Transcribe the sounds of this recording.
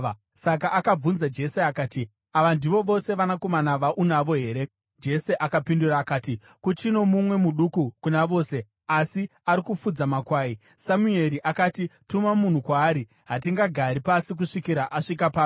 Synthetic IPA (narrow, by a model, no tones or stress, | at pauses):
sakaʔːkab͡vunzad͡ʒe̞se̞akaːti | aʋandiʋo̞ʋo̞se̞ʋanako̞manaʋaʔunaʋo̞ɦe̞ːɾe̞ | d͡ʒe̞se̞ʔakapinduraːkaːti | kut͡ʃino̞mumwe̞muɗukukunaʋo̞ːse̞ | asiaɾikufud͡zamakwaːi | samue̞ɾiʔakaːtitumamun̤ukwaːɾi | ɦat̬iŋɡaɡʱaɾipasik̬uʂikiɾaʔaʂikapaː